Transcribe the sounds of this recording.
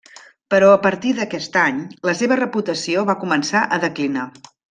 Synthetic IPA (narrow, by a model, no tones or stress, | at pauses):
pəɾɔəpəɾt̪iðəkɛst̪aɲləseβərəput̪əsioβakumənsaʔəðəklina